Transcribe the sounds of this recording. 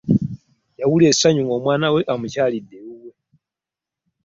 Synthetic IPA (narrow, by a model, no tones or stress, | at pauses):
jawulesaɲuŋɡoːmwaːnawe̞ʔamucaːlidːewuwe